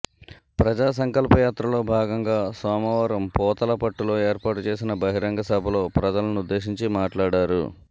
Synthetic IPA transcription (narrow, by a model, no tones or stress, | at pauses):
pɾɐd͡ʒaːs̬ɐŋkɐlpɐjaːt̪ɾɐlo̞ːbʱaːɡɐŋɡaːsaːmɐʋɐɾɐmpɔːt̪ɐlɐpɐʈːulo̞ːeːɾpaːʈut͡ʃe̞ːs̬inɐbɐɦiɾɐŋɡɐsɐbʱɐlo̞ːpɾɐd͡ʒɐlɐnuud̪ːe̞ːʃiɲt͡ʃimaːʈlaːɽaːɾṵ